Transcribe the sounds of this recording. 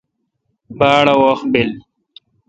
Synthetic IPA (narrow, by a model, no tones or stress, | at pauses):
baːɽawoxbil